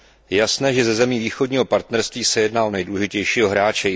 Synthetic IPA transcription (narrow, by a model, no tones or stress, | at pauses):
jɛjasnɛːʒɛzɛzɛmiːviːxo̞dɲiːɦo̞paɾt̪nɛɾst̪viːsɛjɛdnaːʔonɛjdulɛʒɪcɛjʃiːɦo̞ɦɾaːt͡ʃɛ